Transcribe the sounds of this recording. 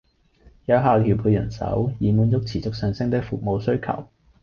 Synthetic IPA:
jɐ˨˧wɦaː˨˧kʰiː˨˩pʰuː˨˧jɐ̰˨˩nsɐ̰˨˥wjiː˨˩muː˨˧njʊ˥k̚t͡sʰiː˨˩t͡sʊ˨k̚sœː˧ŋsɪ˥ŋt̪ɪ˥k̚fʊ˨k̚mo˨˧wsɵ˥ɥkʰɐ̰˨˩w

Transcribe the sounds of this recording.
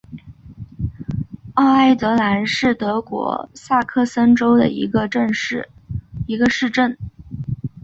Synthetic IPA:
ɑ˥˩ʊa˥˩ɪt̪ɤ˧˥la˧˥nʂɻ̩˥˩t̪ɤ˧˥kwɔ̰˧˥sa˥˧kʰɤ˥˩sə˥nʈ͡ʂo˥ʊd̪ə̰˨ḭ˧˥ɡə˧ʈ͡ʂə˥˧n̩˥˩i˧˥ɡə˧ʂɻ̩˥˧ʈ͡ʂə˥˩n

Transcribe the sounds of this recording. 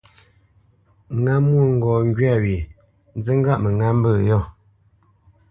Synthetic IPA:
ŋa˦mːwu˦˨ŋ̩˨ɡɔ˨ŋ˦ɡɥa˦˨ɥi˨ | n˦zə˦ŋ̩˦ɡa˦ʔmə˨ŋa˦m̩˦bə˦˨jɔ˦˨

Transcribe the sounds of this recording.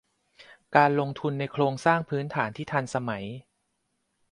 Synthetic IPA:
kaː˧nlo˧ŋt̪ʰu˧nːa˧jkʰɾoː˧ŋsaː˥˩ŋpʰɯː˦˥nt̪ʰaː˩˦nt̪ʰiː˥˩t̪ʰa˧nsa˧ma˩˦j

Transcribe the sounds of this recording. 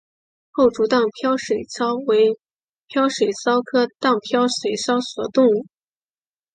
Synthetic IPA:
xo˥˩ʊʈ͡ʂu˧˥t̪ɑ˥˩ŋpʰjɑ˥ʊʂwe˨˩ɪsʰɑ˥ʊwe˧˥ɪ | pʰjɑ˥ʊʂwe˨˩ɪsɑ˥ʊkʰɤ˥t̪ɑ˥˩ŋpʰjɑ˥ʊʂwe˨˩ɪsɑ˥ʊswɔ˨˩t̪ʊ˥˧ŋu˥˩

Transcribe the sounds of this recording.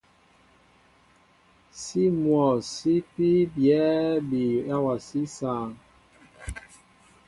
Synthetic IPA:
si˦mwɔ˨si˦pi˦bjɛ˨˦bi˨a˦wa˨si˦saː˨ŋ

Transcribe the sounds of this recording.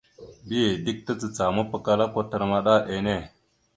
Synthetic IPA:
bi˦je˨di˦k̚tə˦t͡sə˨t͡sa˨mə˦pə˦ka˦la˦ko˦tə˨ɾma˦ɗa˦ʔe˨ne˦˨

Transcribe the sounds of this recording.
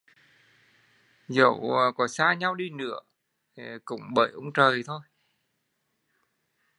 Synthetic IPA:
zə̰˧˨˩wkɔ˨˦saː˧ɲa˧wɗi˧nɨ̰˧˥ə | e˨˩kʊ̰˧˥ŋ͡mɓəː˧˩jʔə˧ŋ͡mt͡ɕəː˨˩jt̪ʰo˧j

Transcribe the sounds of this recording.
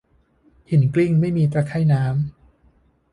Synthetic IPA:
hi˨˩˦nkli˥˩ŋma˥˩jmiː˧t̪ɾaː˧kʰa˥˩jnaː˦˥m

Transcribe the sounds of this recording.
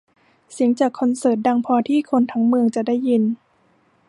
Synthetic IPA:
si˨˩˦əŋt͡ɕaː˨˩kʰːɔ˧nsɤː˨˩t̪̚da˧ŋpʰɔː˧t̪ʰiː˥˩kʰo˧nt̪ʰa˦˥ŋmɯ˧əŋt͡ɕa˨˩da˥˩jːi˧n

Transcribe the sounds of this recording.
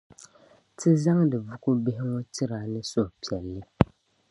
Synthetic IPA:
tɪ˦za˦ŋdɨ˨vʊ˦kʊ˦bɪ˦ɦɪ˦ŋɔ˦tɪ˦ɾa˨nɨ˦so˦hpi˨ɛ˨lːɨ˦

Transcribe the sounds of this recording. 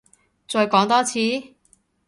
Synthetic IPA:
t͡sɔː˧jkɔː˨˥ŋt̪ɔː˥t͡sʰiː˨˥

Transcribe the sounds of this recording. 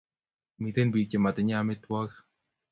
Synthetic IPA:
mi˨t̪e˦nbi˨t͡ʃe˨ma˨t̪e˨ɲa˦me˦t̪wɔ˦k

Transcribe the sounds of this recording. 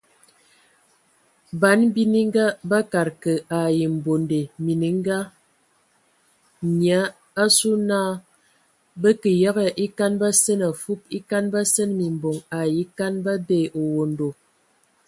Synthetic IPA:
ba˨˦n˦bi˦ni˦ŋ˦ɡa˦ba˦ka˨ɾkə˨ʔa˨ji˨m̩˨bo˨nde˨mi˨ni˨˦ŋ˦ɡa˦ | ɲ˨a˨˦ | a˦su˦naː˦ | bə˦kə˨ja˦ɣə˨ʔi˦ka˦nba˦sə˦na˨fu˦p̚i˦ka˦nba˦sə˦nmi˨m˨bo˨ŋa˨ji˨˦ka˦nba˦beː˦˨ʔo˨wo˨n˨do˨

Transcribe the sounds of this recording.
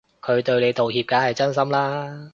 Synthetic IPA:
kʰɵ˨˧ɥt̪ɵ˧ɥne˨˧jt̪o˨˩whiː˧p̚kaː˨˥hɐ˨jt͡sɐ˥ns̬ɐ˥mlaː˥

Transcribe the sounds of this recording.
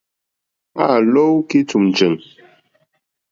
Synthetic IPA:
a˦˨lo˦wki˦tu˨m˨d͡ʒə˨ŋ

